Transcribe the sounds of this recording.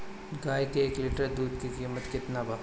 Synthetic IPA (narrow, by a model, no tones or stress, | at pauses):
ɡaːjkeeːklɪʈɐɾd̪uːd̪̚kikiːmːət̪kɪt̪naba